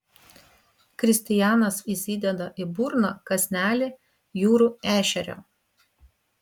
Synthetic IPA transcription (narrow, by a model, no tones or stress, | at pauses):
kɾʲɪsʲt̪ʲɪjæːnɐsiˑsʲiːd̪ʲɛd̪ɐʔɪbuːɾnoːkɐsʲnʲæːlʲɪ | juːɾuːæːʃʲɛɾʲo̰ː